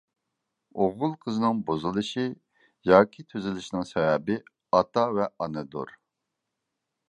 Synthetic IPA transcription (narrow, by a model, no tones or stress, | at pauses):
oʁʊlˠqʰəzɨnɨŋbozɨlˠɨʃɨ | jɑːkʲʰit̪ʰøzɪlɪʃinɪŋsɛwɛbɪ | ɑt̪ɑvɛɑnɨd̪o̰ɾ